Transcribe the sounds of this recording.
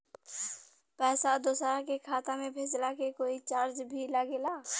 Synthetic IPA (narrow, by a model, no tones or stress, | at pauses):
pɛːsad̪ʊsɾãkekʰaːt̪ãmẽbʱeːd͡ʒlakekoːit͡ʃaːɾd͡ʒbʱilaɡelaː